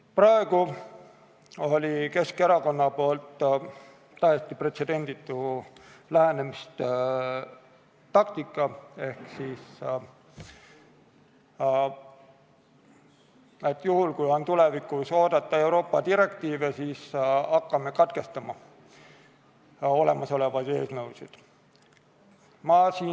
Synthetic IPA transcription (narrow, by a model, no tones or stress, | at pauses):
pɾɑe̞ɡ̥u | o̞lʲike̞ske̞ɾɑko̞nːɑpo̞ːlt̪ː | ɑest̪ipre̞t̪se̞d̪e̞nʲd̪̥it̪ːˑulæɦe̞ne̞mist̪ | t̪ɑk̚t̪ikːˑɑe̞hksiːs | e̞t̪ːjuɦulkujo̞nt̪ule̞vikˑuso̞ːd̪̥ɑt̪ˑːɑe̞wɾo̞ːpːˑɑd̪iɾe̞kt̪iːve̞siːsɑkːɑme̞kɑt̪ke̞st̪ɑmɑ | o̞le̞mɑso̞le̞vɑd̪e̞ːsnɤwsid̪̥ | mɑsiː